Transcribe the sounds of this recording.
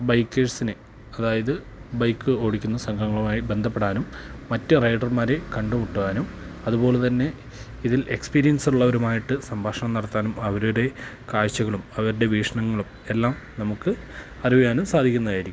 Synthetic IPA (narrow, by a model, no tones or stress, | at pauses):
bɐjkːeːʂsinɨ | ɐðaːjɐðɨ | bɐjkːɨo̞ːɽikʲːunːɐsɐŋɡʰʱɐŋːɐɭumaːjibe̞nd̪ʱɐpːe̞ɽaːnumːɐtːɨrɐjɖɐrmaːɾe̞kɐɳɖumuʈːuʋaːnumɐðubo̞ːlet̪ɐnːe̞ | iðile̞kspiːɾijɐnsiluɭːɐoɾumaːjiʈːɨsɐmbʱaːʂɐɳɐmnɐɽɐt̪ːaːnumɐʋɐɾuɽe̞ | kaːɻɕɐɣɐɭumɐʋɐɾuɽe̞ʋiːʂɐɳɐŋːɐɭum | e̞lːaːm | nɐmukːɨ | ɐriʋijaːnumsaːd̪ʱikʲːunːɐðaːjiɾikʲːm